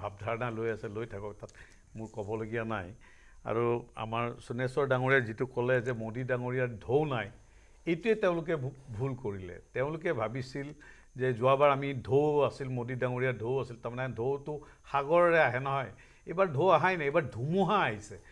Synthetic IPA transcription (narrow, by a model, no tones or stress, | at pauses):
bʱab̚dʱaɹɔnalojasɛlojtʰakɔk̚tat | mʊɹkɔbɔloɡijanaj | a̰ɹua̰maɹsunɛsɔɹdaŋoɹijazitʊkɔlɛzɛmodidaŋoɹijadʱownaj | ejtʊɛtɛʊ̃lʊk̬ɛbʱulkoɹilɛ̰tɛʊ̃lʊkɛbʱabisil | zɛzʊwabaɹamidʱowasilmodidaŋoɹijadʱowasiltaɹmanɛadʱowtʊ | xaɡɔɹɔɹɛaɦɛnɔɦɔj | ejbaɹdʱowaɦajnaejbaɹdʱumɔɦaːɦisɛ